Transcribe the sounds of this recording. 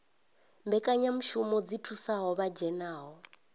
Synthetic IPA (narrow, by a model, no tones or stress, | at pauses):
mbɛkʼaɲam̩ʃumɔd͡zitʰusaɦɔβad͡ʒɛnaːɦɔ